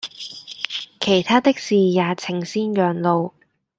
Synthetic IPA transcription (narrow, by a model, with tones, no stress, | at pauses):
kʰe˨˩jt̪ʰaː˥t̪ɪ˥k̚siː˨jaː˨˧t͡sʰɪ˨˩ŋsiː˥njœː˨ŋlo˨˧w